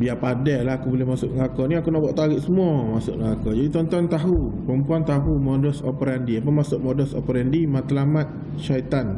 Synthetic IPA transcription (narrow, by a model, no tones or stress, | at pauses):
biapadɛlaɦakubolɛhmasʊʔ̚ŋəlakɔniakunaʔbuwaʔt̪aɾɪʔsəmuɔmasʊ̰kŋəlakɔd͡ʒadit̪ɔnt̪ɔnt̪aɦupəmpuant̪aɦumodɔsopəɾandiapəmasʊʔ̚mɔdɔsopəɾandimat̪əlamat̪̚ | ʃait̪an